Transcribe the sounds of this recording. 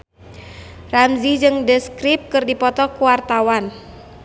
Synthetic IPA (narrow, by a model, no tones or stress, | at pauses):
ramzid͡ʒɨŋdəskɾip̚kɨrdipɔt̪ɔkuwart̪awan